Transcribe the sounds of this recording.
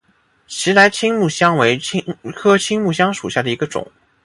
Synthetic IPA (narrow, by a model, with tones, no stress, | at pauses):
t͡ɕʰi˧˥la˧˥ɪt͡ɕʰi˥ŋmu˥˩ɕjɑ˥ŋwe˧˥ɪi˥ŋkʰɤ˥t͡ɕʰi˥ŋmu˥˩ɕ̬jɑ˥ŋʂu˨˩ɕja˥˩d̪ə˩i˧˥ɡə˧ʈ͡ʂʊ̰˨˩˦ŋ